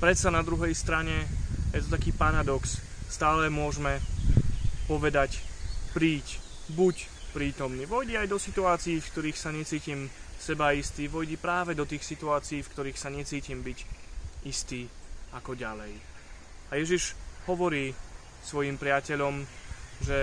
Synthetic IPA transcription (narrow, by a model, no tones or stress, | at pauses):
pɾɛt̪sanad̪ɾuɦɛjst̪ɾaɲɛjɛt̪ɔt̪akiːpaɾad̪ɔksst̪aːlɛmʊɔʒmɛ | pɔʋɛd̪acpɾiːc | buc | pɾiːt̪ɔmniːʋɔjɟɛajd̪ɔsit̪uaːt͡siiːfkt̪ɔɾiːxsaɲɛt͡siːcimsɛbaist̪iːʋɔjɟipɾaːʋɛd̪ɔt̪iːxsit̪uaːt͡siːfkt̪ɔɾiːxsaɲɛt͡siːcimbiɟist̪iːakɔɟalɛj | ajɛʒiʒhɔʋɔɾiː | sʋɔjimpɾɪacɛʎɔmʒɛ